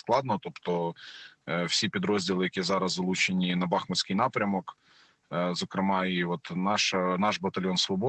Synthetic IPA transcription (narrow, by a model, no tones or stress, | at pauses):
sklˠɑd̪nɔt̪opt̪ɔ | wsʲipʲid̪ɾozʲdʲilˠɪjɐkʲizɑɾɐzɐlˠut͡ʃenʲinɐbɑxmɐsʲkɪjnɑpɾʲɐmɔk | zɐkɾɪmɑiʋɔt̪nɑʃɐnɑʒbɐt̪ɐlʲjonsʋɔbɔ